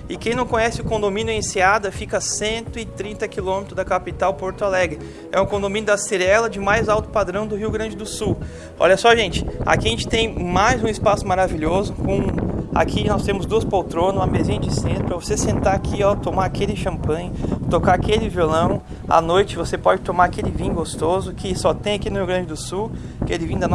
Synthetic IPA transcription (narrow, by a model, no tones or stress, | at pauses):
ɪkẽj̃nɐ̃w̃kõɲɛsɪʊkõnd̪omĩnjʊẽsiad̪ɐfikɐsẽnt̪ʊɪt̪ɾĩnt̪ɐkilõmet̪ɾʊzd̪ɐkapit̪awpoɾt̪ʊalɛɡɾɪ | ɛʊ̃kõnd̪omĩnjʊd̪ɐseɾɛlɐd͡ʒɪmajzawt̪ʊ̥pad̪ɾɐ̃w̃d̪ʊɦiwɡɾɐ̃nd͡ʒɪd̪ʊsuw | ɔ̰ʎɐsɔʒẽnt͡ʃɪ̥a̰kiɐʒẽnt͡ʃɪ̥t̪ẽj̃majzũɪspasʊmaɾaviʎozʊkõa̰kʰinɔst̪ẽmʊzd̪uɐspowt̪ɾõnũɐmezĩɲɐd͡ʒɪsẽnt̪ɾʊpɾɐvosesẽnt̪aakʰiɔt̪omaɾakelɪʃɐ̃mpɐ̃j̃ʊt̪okaakelɪviolɐ̃w̃ | a̰nojt͡ʃɪvosepɔd͡ʒɪt̪õmaɾakelɪvĩɲ̃ʊɡost̪ozʊkɪsɔt̪ẽj̃akinʊhiuɡɾɐ̃nd͡ʒɪd̪ʊsuw | akelɪvĩʊd̪ɐn